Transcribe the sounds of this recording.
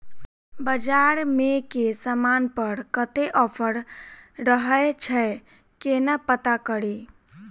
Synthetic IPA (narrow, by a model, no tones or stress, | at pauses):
bəd͡ʒaɾmekesəmanpəɾkət̪eʔɔpʰəɽɾəɦəet͡ʃʰə | kenəpət̪akəɽi